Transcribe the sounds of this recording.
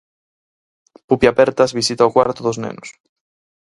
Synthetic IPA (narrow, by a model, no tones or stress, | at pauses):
pupjapɛɾt̪ɐzβisit̪aokwaɾt̪oðoznḛnʊs